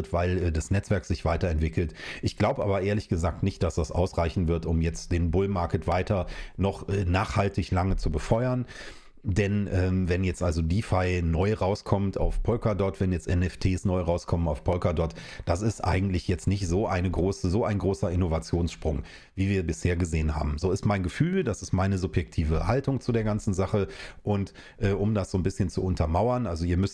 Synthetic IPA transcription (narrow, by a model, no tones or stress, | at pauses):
tv̥aɪlːdasnɛt͡sv̥ɛɐkz̥ɪçv̥aɪtɐɛntv̥ɪkl̩tʔɪçɡ̥laʊbəʔaːbɐʔeːɐlɪçɡ̥əzaːk̚tnɪçt̚d̥asd̥asʔa̰ʊsʁ̥aɪçn̩vɪɐtʊmjɛt͡std̥eːnbʊlmaɐkətv̥aɪtɐnɔχʔɛːnaːχhaltɪçlaŋət͡subəfɔʏɐn | dɛnʔɛːmvɛnjɛt͡stʔalzodiːfaɪnɔʏʁaʊskʰɔmta̰ʊfpʰɔlkadɔɐtv̥ɛnjɛt͡sʔɛnɛftʰeːsnɔʏʁaʊskʰɔmənaʊfpʰɔlkadɔɐt | d̥asɪstʔa̰ɪɡŋ̩tlɪçjɛt͡stnɪçtz̥oːʔaɪnəɡʁoːsəzoːʔaɪnɡʁoːsɐɪnovat͡sjoːnsʃpʁ̥ʊŋ | viːviːɐbɪsheːɐɡəzeːənɦa̰ːbm̩zoːɪstmaɪnɡəfyːldasɪstmaɪnəzʊpjɛk̚tʰiːvəhaltʊŋt͡sudeːɐɡant͡sn̩zaχəʔʊnt | ʔɛːʔʊmdasz̥oːnbɪsçənt͡suʊntʰɐmaʊɐnʔalzoiːɐmʏst